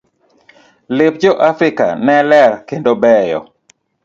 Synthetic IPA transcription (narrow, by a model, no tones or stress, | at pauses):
lɪp̚d͡ʒɔʔafɾɪka̰nɛlɛrkendobɛjɔ̰